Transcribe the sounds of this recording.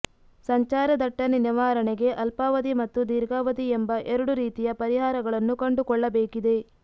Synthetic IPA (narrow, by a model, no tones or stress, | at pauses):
sɐɲt͡ʃaːɾɐd̪ɐʈːɐniniʋaːɾɐɳeɡe̞ʔɐlpaːʋɐd̪imɐt̪ːud̪iɾɡaːʋɐd̪iembɐʔeɾuɽuɾiːt̪ijɐpɐɾiɦaːɾɐɡɐɭɐnːukɐɳɖukɔɭːɐbeːkid̪e̞